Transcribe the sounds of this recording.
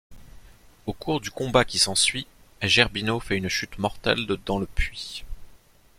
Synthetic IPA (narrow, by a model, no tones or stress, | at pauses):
okuʁd̪ykɔ̃bakʲisɑ̃sɥiaʒɛʁbinofɛynʃyt̪mɔʁt̪ɛ̰ld̪əd̪ɑ̃ləpɥi